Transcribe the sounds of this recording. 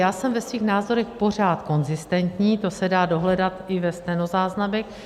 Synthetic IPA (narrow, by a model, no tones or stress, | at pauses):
jaːsɛmvɛsviːxnaːzo̞ɾɛxpo̞r̝aːt̪ko̞nzɪst̪ɛnt̪ɲiːt̪o̞sɛdaːdo̞ɦlɛdat̪ɪvɛst̪ɛno̞zaːznamɛx